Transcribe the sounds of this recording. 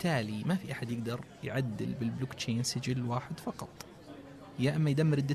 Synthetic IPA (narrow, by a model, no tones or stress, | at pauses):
t̪ʰːaːlimafiʔaħad̪jɪɡd̪ɑɾˤjʕad̪ːɪ̰lbɪlblʊkt͡ʃeːnsɪd͡ʒɪlwaːħɪd̪fɑqɑt̪ˤ | jaʔamːajd̪amːɪɾɪd̪ːa